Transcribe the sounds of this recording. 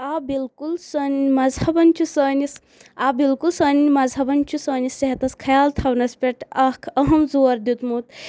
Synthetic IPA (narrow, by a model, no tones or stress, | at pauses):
aːbilkulsɐnmɐzhɐbɐnʲt͡ʃʰusəːnis | abilkulsɐːnmɐzɐbɐnt͡ʃʰusɐːnisɐɦɐt̪ɐskʰɐjaːlt̪ʰɐwnɐspʲeʈʰɐkʰɐɦɐmzuɐɾd̪ut̪mut̪̚